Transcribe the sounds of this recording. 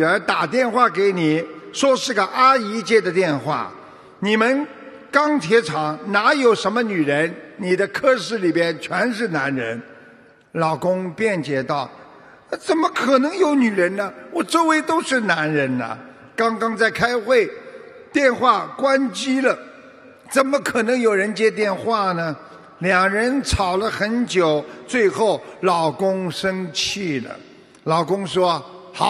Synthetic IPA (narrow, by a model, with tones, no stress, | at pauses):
ə˧˥t̪a˨˩t̪jɛ˥˧nxwa˥˩ke˧˥ɪni˨˩˦ʂwɔ˥ʂɻ̩˥˩ɡə˩ʔa˥i˧˥t͡ɕjɛ˥˩d̪ə˩t̪jɛ˥˧nxwa̰˥˩ | ni˨˩mə˦n | kɑ˥ŋt̪ʰjɛ˧˥ʈ͡ʂʰɑ˨˧˥ŋna˧˥jo˨˩ʊʂə˧˥nmə˧ny˨˩ɻə˧˥nni˨˩d̪ə˦kʰɤ˥˧ʂɻ̩˥˩li˨˩pjɛ˥nt͡ɕʰɥɛ˧˥nʂɻ̩˥˩na˧˥nɻə̰˧˥n | lɑ˨˩ʊkʊ˥ŋpjɛ˥˩nt͡ɕjɛ˧˥t̪ɑ˥˩ʊ | t͡sə˨˩nmə˦kʰɤ˨˩nɤ˧˥ŋjo˧˥ʊny˨˩ɻə˧˥nnə˧wɔ˨˩t͡so˥˩we˧˥ɪt̪o˥ʊʂɻ̩˥˩na˧˥nɻə˧˥nə̰˨ | kɑ˥ŋkɑ˥ŋt͡sa˥˩ɪkʰa˥ɪxwe˥˩ɪ | t̪jɛ˥˧nxwa˥˩kwa˥nt͡ɕi˥lə˨ | t͡sə˨˩nmə˦kʰɤ˨˩nɤ˧˥ŋjo˨˩ʊɻə˧˥nt͡ɕjɛ˥t̪̬jɛ˥˧nxwa˥˩nə˩ | ljɑ˨˩ŋɻə˧˥nʈ͡ʂʰɑ˨˩ʊlə˦xə˧˥nt͡ɕjo˨˩ʊt͡swe˥˧ɪxo˥˩ʊlɑ˨˩ʊkʊ˥ŋʂə˥ŋt͡ɕʰi˥˩lə̰˩ | lɑ˨˩ʊkʊ˥ŋʂwɔ˥xɑ̰˨˧˦